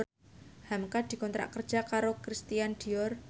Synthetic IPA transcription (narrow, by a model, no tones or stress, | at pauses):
hamkad̪̥i̤kɔnt̪ɾʔa̰ʔkərd̥d͡ʒ̥akaɾokɾist̪ijand̪̥i̤ɔr